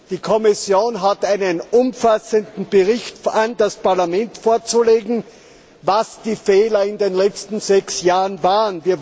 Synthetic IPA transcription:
d̥iːkʰɔmɪsjoːnɦatæɪnənʔʊmfasəndn̩b̥əʁɪçtandaspaɐlamɛntfoːɐt͡suleːɡŋ̩ | vasd̥iːfɛːlɐɪndeːnlɛt͡stn̩z̥ɛksjaːʁənvaːʁənviːɐ

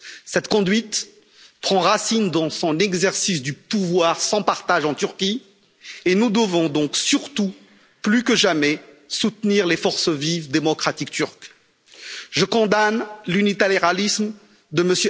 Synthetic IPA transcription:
sɛt̪kɔ̃d̪ɥit̪ | pχɑ̃ʁasind̪ɑ̃sɔ̃nɛɡzɛʁsis̬d̪ypuvwaʁsɑ̃paʁt̪aʒɑ̃t̪yʁkʲi | enud̪əvɔ̃d̪ɔ̃ksyʁt̪u | plykəʒamɛ | sut̪niʁlefɔʁsəvivd̪emɔkχat̪ikt̪yʁk | ʒəkɔ̃d̪anlynit̪aleʁalism | d̪əməsjø

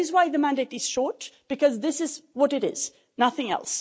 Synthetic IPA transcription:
ɨzwaɪðəmæ̃ndeɪɾɨz̥ʃɔɹtb̥ɨkʌzðɪsɨzwʌɾɨɾɪ̰z̥ | nʌθɪ̃ŋɛ̰lˠs

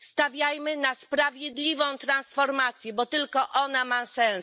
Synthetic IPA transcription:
st̪avʲjajmɘnaspɾavʲjɛd̪lʲivɔ̃w̃t̪ɾansfɔɾmat̪sʲjɛbɔt̪ɘlkɔʔɔnamasɛ̃s

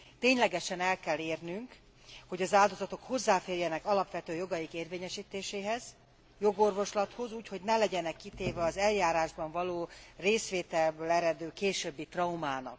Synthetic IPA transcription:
t̪eːɲlɛɡɛʃɛnɛlkɛlːeːrnyŋk | ho̞ɟɒzaːld̪o̞zɒt̪o̞kho̞zːaːfeːrjɛnɛkɒlɒpʋɛt̪øːjo̞ɡɒjikeːrveːɲɛʃiːt̪eːʃeːɦɛz | jo̞ɡo̞rvo̞ʃlɒt̪ho̞zuːcho̞ɟnɛlɛɟɛnɛkːit̪eːvɛɒzɛljaːɾaːʒbɒɱvɒloːreːsʋeːt̪ɛlbøːlɛɾɛd̪øːkeːʃøbːit̪rɒumaːnɒ̰k

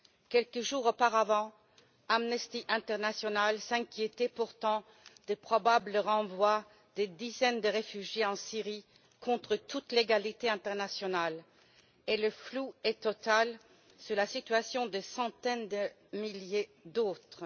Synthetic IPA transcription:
kʲɛlkəʒuːʁopaʁavɑ̃ | amnɛst̪iʔɛ̃t̪ɛʁnasjɔnalsɛ̃kʲjet̪ɛpuʁt̪ɑ̃ | d̪̥epχɔbabləʁɑ̃vwa | d̪̥ed̪izɛnd̪əʁefyʒjeɑ̃siʁi | kʰɔ̃t̪χət̪ut̪leɡalit̪eɛ̃t̪ɛʁnasjɔnal | eləfluɛt̪ɔt̪al | suʁlasit̪ɥasjɔ̃d̪əsɑ̃t̪ɛnd̪ə | miljed̪oːt̪χ

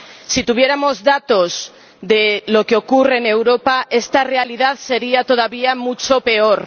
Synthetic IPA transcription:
sit̪uβ̞je̞ɾamo̞zðat̪oz | ðelo̞keo̞kureːne̞wɾopaʔe̞st̪are̞aliðaðse̞ɾiat̪o̞ð̞aβiamut͡ʃope̞oɾ

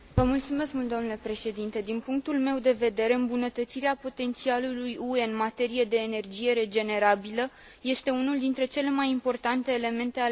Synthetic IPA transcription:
vəmult̪sume̞skmult̪oamnulepɾe̞ʃe̞d̪int̪e̞d̪inpuŋk̚t̪ulme̞wd̪e̞ve̞d̪e̞ɾe̞ɨmbunət̪ət̪siɾeapo̞t̪e̞nt̪sialulujueɨnmat̪e̞ɾijed̪e̞ːne̞rd͡ʒije̞ɾe̞d͡ʒe̞ne̞ɾabilə | je̞st̪e̞unuld̪int̪ɾe̞t͡ʃe̞le̞majimpo̞rt̪ant̪e̞ːle̞me̞nt̪e̞a

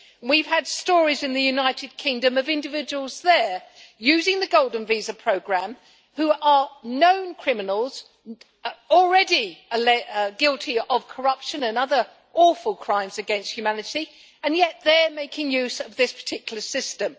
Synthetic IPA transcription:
nwiv̥əd̥stɔɹizɨ̃nðɨjʉnaɪɾɨd̚kʰɪ̃ŋdɨ̃mʌvɪ̃ndɨvɪd͡ʒəwəl̩ˠzðə˞jʉzɪ̃ŋðɨɡoʊlˠdⁿn̩vizəpʰɹ̥oʊɡɹæ̃m | huʔə˞nõʊ̃nkʰɹ̥ɪmɨnl̩ˠz̥ | l̩ˠɹɛdiəlɛɡɪlˠtʰiəv̥kʰə˞ʌpʃɨ̃nɨ̃nʌðə˞ | ʔɔˑfəlˠkʰɹ̥ãɪ̃mzɨɡɛ̃nsthʉmænɨɾi | ɨ̃njɛt̪̚ðə˞meɪkʰɪ̃ŋjʉzʌvðɪspʰə̥tʰɪkjl̩ˠə˞sɪstɨ̃m

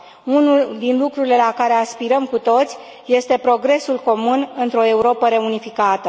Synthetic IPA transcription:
unuld̪inlukɾuɾile̞lakaɾe̞aspiɾəmkut̪o̞t̪sʲ | je̞st̪e̞pɾo̞ɡɾe̞sulko̞munɨnt̪ɾo̞e̞uɾo̞pəɾe̞unifikat̪ə

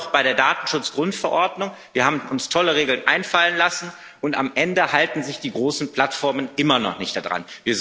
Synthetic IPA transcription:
χb̥aɪɾeːɐdaːtn̩ʃʊt͡sɡ̥ʁʊntfɛɐʔɔɐdnʊŋviːɐhaːbm̩ʔʊnstʰɔləʁ̞eːɡl̩nʔaɪnfalənlasn̩ | ʔʊntamʔɛndəhaltn̩zɪçd̥iːɡʁoːsn̩pl̥atfɔɐmənʔɪmɐnɔ̰χnɪçt̚d̥adʁa̰nviːɐz

